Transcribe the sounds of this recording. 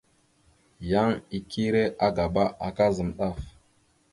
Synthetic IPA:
ja˦ŋi˨kʰi˦ɾe˦ʔa˦ɡa˨ba˦ʔa˨ka˦zə˨mɗa˦˨f

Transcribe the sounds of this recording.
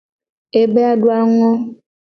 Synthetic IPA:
e˦be˦a˦ɖu˦a˦ŋɔ̃˦

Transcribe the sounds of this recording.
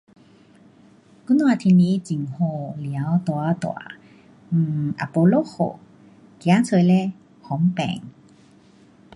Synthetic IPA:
ku˧˥nwa˧t̪ʰi˧ni˧˥t͡ɕi˨˩ŋho˧lja˨˦wt̪wa˧˦t̪wa̰˨˩˦ | ʔa̰˨po˧lo˦˥xo̰˨˩ | kja˨˦t͡sʰə˧˨jlɛ˥˧ | hɔ˨˦ŋpɛ̰˧˩˨ŋ

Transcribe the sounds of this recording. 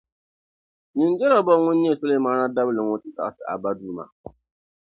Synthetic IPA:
nɪ˨nd͡ʒɛ˦la˨bɔ˦ŋʊ˦nːi˦e˦˨so˦lo˦i˦maː˦na˦da˦blɨ˨ŋʊ˦tɨ˦ta̰˨sɨ˨ʔa̰˨ba˦duː˦ma̰˨

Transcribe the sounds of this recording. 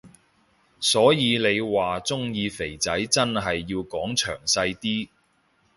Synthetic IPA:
sɔː˨˥jiː˨˧le˨˧jwaː˨t͡sʊ˥ŋjiː˧fe˨˩jt͡sɐ˨˥jt͡sɐ˥nɦɐ˨jːiː˧wkɔː˨˥ŋt͡ʃʰœ̰ː˨˩ŋsɐ˧jt̪iː˥

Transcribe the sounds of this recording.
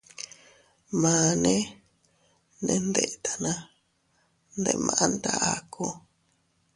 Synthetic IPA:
mãː˨nẽ˦ | nẽ˧nd̪e˧˨ʔt̪ʰa˨nã˧ | nd̪e˧ʔmã̰˨ʔa˦nd̪a˧ʔa˨kʰu˧

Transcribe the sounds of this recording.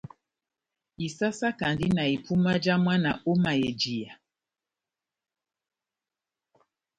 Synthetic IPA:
i˨sa˦sa˦ka˨ndi˦na˨i˨pʰu˦ma˦d͡ʒa˦mwa˦na˨o˦ma˨je˨d͡ʒi˨a˨

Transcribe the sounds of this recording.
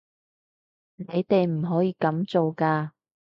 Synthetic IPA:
ne˨˧jt̪e˨jm̩˨˩ɦɔː˨˥jiː˧kɐ˨˥mt͡so˨wkaː˧

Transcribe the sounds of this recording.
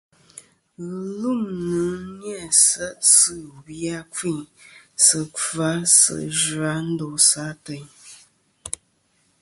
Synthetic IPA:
ɣə˨lu˦˨mnɨ˨˦ɲɛ˦˨sə˦ʔsɨ˦˨bja˦ki˦˨ɲsə˨ka˨˦sə̰˨ʒwa˨˦n̩˦do˨sa˨˦tə˨ɲ

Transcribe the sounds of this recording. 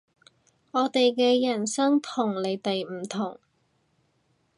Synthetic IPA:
ɔː˨˧t̪e˨jkɛː˧jɐ˨˩nsɐ˥ŋt̪ʰʊ˨˩ŋle˨˧jt̪ɐ˨jm̩˨˩t̪ʰʊ˨˩ŋ

